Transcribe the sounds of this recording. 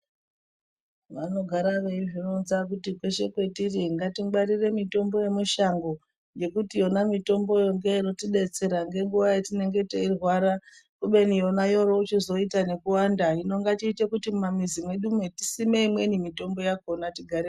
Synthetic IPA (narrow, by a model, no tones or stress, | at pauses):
ʋano̞ɡʱaɾaʋeiʐinonzak̬utikwe̞ʃe̞kwe̞tiriŋɡatiɡ͡baɾire̞mito̞mbo̞je̞muʃaŋɡo̞ | je̞kutijo̞namito̞mbo̞jo̞ŋɡe̞ino̞tiɗe̞t͡se̞ɾaŋɡe̞ŋɡuʋajetine̞ŋɡe̞teirwaɾakuɓe̞nijo̞najo̞ɾo̞ut͡ʃizo̞itane̞kuwandaino̞ŋɡatiːtekutimumamizimwe̞ɗumwetisimeimwe̞nimito̞mbo̞jakonatiɡʱaɾe